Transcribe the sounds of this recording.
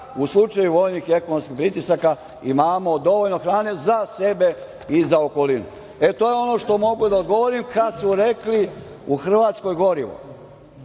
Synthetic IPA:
uslˠut͡ʃajuʋo̞jnixie̞konomskixpɾit̪isaka | imaːmo̞d̪o̞ʋolno̞xɾaːne̞zase̞be̞ | izaoko̞linṵ | e̞t̪o̞je̞o̞no̞ʃt̪o̞mo̞ɡud̪aod̪ɡo̞ʋoɾimkasuɾekli | uxr̩ʋaːt̪sko̞jɡo̞ɾiʋo̰

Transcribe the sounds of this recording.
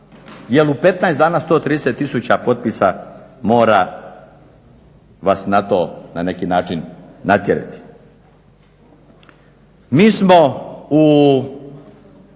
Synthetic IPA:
jelupe̞t̪naesd̪aːnast̪oːt̪ɾiːd̪eset̪ːisuːt͡ɕapo̞t̪̚pisamo̞ːɾa | ʋasnat̪o̞ːnane̞kinaːt͡ʃinːat̪jeɾḛt̪i̥ | miːsmou

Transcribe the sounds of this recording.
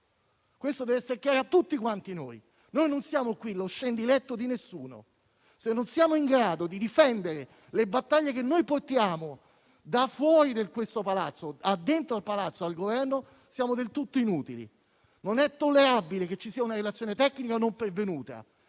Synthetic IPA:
kwest̪od̪ɛvɛsːeɾekjaːɾoat̪ːut̪ːikwant̪inoːj | nojnonsjaːmokwiloʃːend̪ilɛt̪ːod̪inesːuːno̰ | senːonsjaːmoiŋɡɾaːd̪od̪id̪ifɛnd̪eɾe | lebat̪ːaʎːekenːojport̪jaːmo | d̪afːwɔːɾid̪elkwest̪opalat̪sːoad̪ːent̪ɾoalpalat̪sːoalɡovɛrno | sjaːmod̪elt̪ut̪ːoinuːt̪ilḭ | nonɛt̪ːolːeɾabileket͡ʃːisiːaunaɾelat̪sːjoːnet̪ɛkːnikanompervenuːt̪a̰

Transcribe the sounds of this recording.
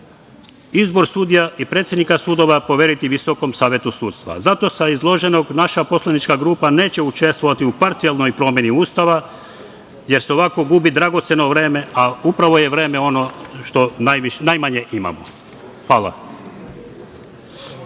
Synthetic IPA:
izbo̞ɾsuːd̪ijaʔipɾe̞ːt̪sjenikasuːd̪o̞ʋapoʋje̞ɾit̪iʋiso̞ko̞msaːʋjet̪usuːt̪st̪ʋa̰zat̪o̞saizlˠo̞ʒe̞no̞ɡnaʃaposlanit͡ʃkaɡɾuːpane̞ːt͡ɕe̞ut͡ʃe̞st̪ʋo̞ʋat̪iupaɾt̪sialno̞jpɾo̞mje̞niuːst̪aʋa | je̞ɾseoʋako̞ɡubid̪ɾaɡo̞t̪se̞no̞ʋɾe̞ːme̞aupɾaʋo̞je̞ʋɾe̞ːmeo̞no̞ʃt̪o̞najʋiʃnajmaɲe̞ʔima̰mo̰ | xʋaːla̰

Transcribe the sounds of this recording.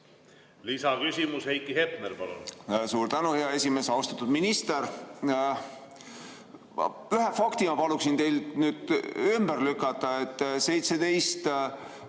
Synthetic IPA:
lisɑkysʲimushejkːˑiɦepneɾpɑlṵnsuːɾt̪ænuheɑe̞sʲimesɑwst̪ɑ̥t̪ːˑud̪minist̪eɾ | yɦefɑkt̪imɑpɑluksint̪e̞jlnyːd̪̥ymb̥ærlykːˑɑt̪ːˑɑet̪ːˑse̞jt̪se̞d̪e̞jst̪

